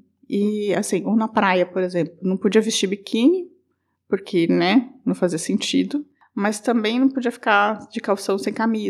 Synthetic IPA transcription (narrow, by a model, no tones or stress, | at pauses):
ɪasĩownɐpɾajɐpoɾezẽmplʊnɐ̃w̃pod͡ʒiɐvɪst͡ʃiɾbikʰĩɲɪ | poɾkʰenɛnɐ̃w̃faziɐsẽnt͡ʃid̪ʊ | mɐst̪ɐ̃mbẽj̃nɐ̃w̃pod͡ʒiɐfi̥kad͡ʒɪkawsɐ̃w̃sẽj̃kami